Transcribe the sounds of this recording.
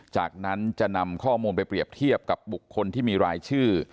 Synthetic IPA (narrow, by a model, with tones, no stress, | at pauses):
t͡ɕaː˨˩k̚na˦˥nt͡ɕa˨˩na˧mkʰɔː˥˩muː˧npa˧jpɾi˨˩əp̚t̪ʰi˥˩əp̚ka˨˩p̚bu˨˩kʰːo˧nt̪ʰiː˥˩miː˧ɾaː˧jt͡ɕʰɯː˥˩